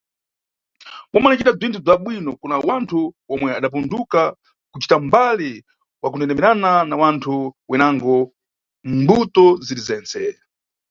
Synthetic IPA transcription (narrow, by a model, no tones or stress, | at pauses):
mɔmanit͡ʃitab͡ʐʷintʰub͡ʐaɓwinɔkunawantʰuwɔmwɛaɗap̬unduka | kut͡ʃi̥tambali | wak̬unɛnɛmɛɾananawantʰuwɛnaŋɡɔ | mbutɔziɾizɛːnt͡sɛ